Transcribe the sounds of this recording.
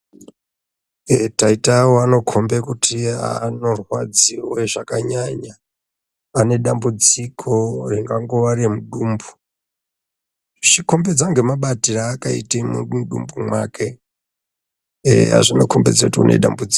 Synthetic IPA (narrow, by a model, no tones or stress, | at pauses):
taitawoano̞kʰo̞mbekutʰia̰no̞rwad͡ziweʐakaɲaɲaː | ne̞ɗambud͡zikʰo̞riŋɡaŋɡo̞ʋaɾimuɗuːmbu̥ | ʃiko̞mbed͡zaŋɡe̞maɓatiraːkaḭtemṵɗɗṵmbumwa̰ːke̞ | a̰ʐinokʰo̞mbed͡zautiṵnḛɗa̰mbud͡zi̥